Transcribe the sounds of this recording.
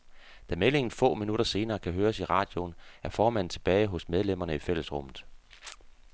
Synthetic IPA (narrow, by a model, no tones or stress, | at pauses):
d̥æmele̝ŋn̩fɔ̰̽ːminud̥ɐse̝ːnɐːkʰæɦøːɐsiʁɑ̰̈ːd̥jo̝næɐfɒːmæn̰̩t͡sʰe̝b̥ɛːɪɦɔ̽smeð̞ˠlem̰ɐnəifel̰əsʁɔ̽mð̩ˠ